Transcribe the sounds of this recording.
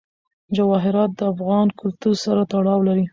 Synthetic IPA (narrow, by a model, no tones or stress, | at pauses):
d͡ʒawɑɦɪɾɑt̪̚d̪əafɣɑnkʊlt̪uɾsaɾat̪aɽɑwlaɾi